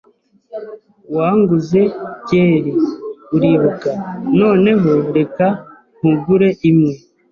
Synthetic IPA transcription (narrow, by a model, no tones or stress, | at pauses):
waːŋɡuze̞ɟeːɾiuɾiːβukano̞ːne̞ɦoɾe̞ka | ŋ̥uɡuɾe̞ʔimŋe